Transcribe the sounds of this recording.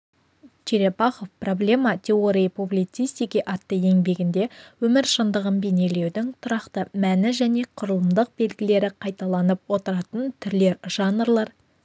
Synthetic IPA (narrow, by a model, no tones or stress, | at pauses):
t͡ʃʰeɾe̞pɑχo̞fpro̞blʲe̞mɑt̪ʲʰe̞oɾʲijpublʲijt̪sijst̪ijkʲiʔɑt̪ːəe̞ŋbe̞ɡʲɪnd̪e̞wɵmɪɾʃənd̪əʁənbe̞ne̞le̞wd̪ɪŋt̪ʰʊɾɑqt̪əmænɪʒæne̞qʰʊɾəlˠəmd̪əq̚be̞lɡʲɪle̞ɾɪqʰɑjt̪ɑlˠɑnəpwo̞t̪əɾɑt̪ənt̪ʰʏɾle̞ɾʒ̥ɑnrlˠɑɾ